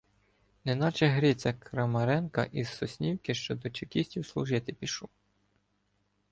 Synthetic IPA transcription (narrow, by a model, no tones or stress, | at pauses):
nenɑt͡ʃɛɦɾʲit͡sʲɐkɾɐmɐɾɛnkɐ̰ʔizːɔsʲnʲiwkɪʃt͡ʃɔd̪ɔt͡ʃekʲisʲtʲiwslˠʊʒɪt̪ɪpʲiʃu